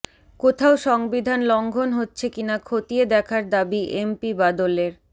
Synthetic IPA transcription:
kot̪ʰaoʃɔŋbid̪ʱanlɔŋɡʱonɦotːɕʰekinakʰot̪ied̪ɛkʰaɾd̪abiʔempibad̪oleɾ

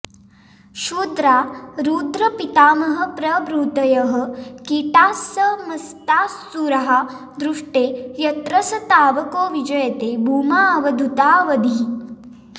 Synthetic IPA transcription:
ʃuːd̪ɾaːɾuːd̪ɾɐpit̪aːmɐɦɐ̆pɾɐbɾuːt̪ɐjɐɦɐ̆kiʈaːsːɐmɐst̪aːsːuɾɐɦa | d̪ɾuʂʈeːjɐt̪ɾɐsɐt̪aːʋɐkoːʋid͡ʒɐjɐt̪eːbʱuːmaːʋɐd̪ʱut̪aːʋɐd̪ʱi

